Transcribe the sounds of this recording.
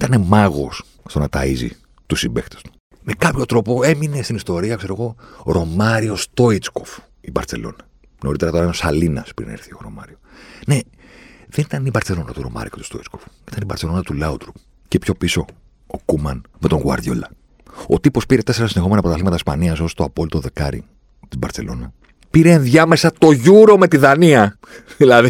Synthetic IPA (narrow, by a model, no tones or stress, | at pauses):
t̪ɐne̞mɐɣo̞̰s | st̪o̞nɐt̪ɐizḭ | t̪usimbe̞xt̪est̪u̥ | me̞kɐpço̞t̪ɾo̞po̞e̞mine̞st̪inist̪o̞ɾiɐkse̞ɾo̞ɣo̞ɾo̞mɐɾio̞st̪o̞it͡sko̞f | ibɐ̰ɾθe̞̰lo̞̰nɐ | no̞ɾit̪e̞ɾɐt̪o̞ɾɐinosɐlinɐspɾḭnɐ̰ɾθio̞̰ɾo̞̰mɐɾio̞ne̞ | ðenit̪ɐnibɐɾθe̞lo̞nɐ̰t̪uɾo̞̰mɐ̰ɾḭket̪u̥st̪oit͡skof | i̥t̪ɐnibɐɾt̪selo̞nɐt̪ulɐut̪ɾup | cepço̞piso̞ | okumɐnme̞t̪o̞ŋɣwɐ̰ɾðʝo̰lɐ | ot̪ipo̞spiɾet̪e̞se̞ɾɐsinexo̞menɐpot̪ɐθlimɐt̪ɐispɐniɐs̬o̞st̪oɐpo̞lit̪o̞ðe̞kɐɾḭ | t̪ibɐɾtse̞̰lo̞̰nɐ | piɾe̞ːnðʝɐmesɐt̪o̞ʝuɾo̞me̞t̪iðɐniɐ | ilɐði